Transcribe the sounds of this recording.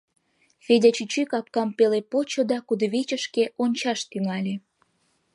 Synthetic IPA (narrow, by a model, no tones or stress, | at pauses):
fedʲɑt͡ɕyt͡ɕykɑp̚kɑmpelepot͡ɕod̪ɑkud̪əβet͡ɕəʃkeʔonʲt͡ɕɑʃt̪yŋɑlʲe